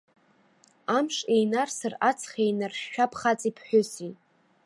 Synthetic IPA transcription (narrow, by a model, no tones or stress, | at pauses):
amʂʼejnarsɨrat͡sʰχejnarʃːᶣapʰχat͡sʼipʰħʷᶣʊsi